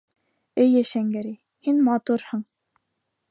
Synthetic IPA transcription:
ɘjæʃæŋɡæɾi | hinmɑt̪uɾhɤ̆ɴ

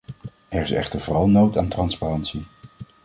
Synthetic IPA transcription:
ɛɹɪsɛ̰χtəɹvʊːrɑlˠnowtaːntrɑnsparɑntsi

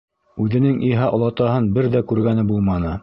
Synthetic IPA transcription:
ʉðɘ̆nɘŋʔiɦɑʔŏlˠɑt̪ɑɦɤnbɘɾðækʉɾɡænɘbulˠmɑnɤ

